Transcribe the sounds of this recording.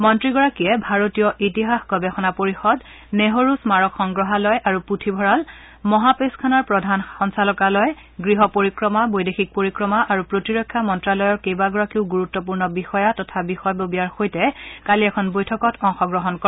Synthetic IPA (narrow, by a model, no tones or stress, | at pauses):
mɔntɹiɡɔɹakijɛbʱaɹotijɔʔitiɦaxɡɔbɛxɔnapoɹixɔd | neɦoɹusmaɹɔkxɔŋɡɹɔɦalɔjʔaɹuputʰibʱɔɹal | mɔɦapeskʰanaɹpɹɔdʱanxɔnsalɔkalɔj | ɡɹiɦɔpoɹikɹɔmabojdexik̚poɹikɹɔmaʔaɹupɹotiɹɔkʰːjamɔntɹalɔjɔɹkejbaɡɔɹakiʊɡuɹutːɔpuɹnɔbixɔjatɔtʰabixɔjbobijaɹxojtɛkaliɛkʰɔnbojtʰɔkɔtʰɔŋxɔɡɹɔɦɔnkɔ